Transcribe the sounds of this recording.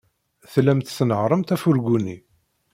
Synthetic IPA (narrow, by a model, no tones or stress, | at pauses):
θlæmt̪snəʕɾˤəmt̪æfʊɾɡuni